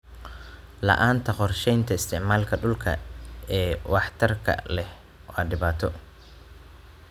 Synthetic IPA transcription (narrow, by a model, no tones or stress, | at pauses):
lɐ̰ʔaːnt̪ʰɐqɔrʃɛjnt̪ʰɐɪst̪ʰɪʕmaːlkʰɐɖʊlkʰɐ̰ɛːwɑħt̪ʰɐrkʰɐ̰lɛh | wɑːɖɪβaːt̪ʰɔ